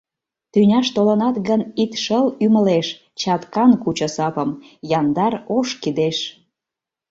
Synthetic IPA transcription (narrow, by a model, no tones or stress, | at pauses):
t̪ynʲɑʃt̪olənɑt̪ɣənit̪ʃəlyməleʃ | t͡ɕɑt̪kɑnkut͡ɕə̆sɑpəmjɑnd̪ɑroʃkid̪eʃ